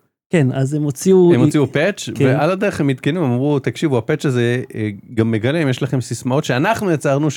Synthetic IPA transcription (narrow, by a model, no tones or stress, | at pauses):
kenazemot͡siuemot͡siupet͡ʃveʔalade̞eχhemːit̪kenuemamʁut̪akʃivuapet͡ʃaze̞ɡamːe̞ɡalemjeʃlaχe̞msismao̞t̪ʃeanaχnujet͡saʁnuʃ